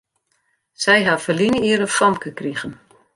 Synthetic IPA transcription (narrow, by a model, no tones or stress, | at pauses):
sɛjɦafəlinəiəɾəfɔmkəkriɣən